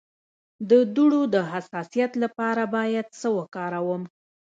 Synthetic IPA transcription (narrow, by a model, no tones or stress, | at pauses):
d̪əd̪uɽod̪əɦasɑsijat̪lapɑɾabɑjad̪səwəkɑɾawəm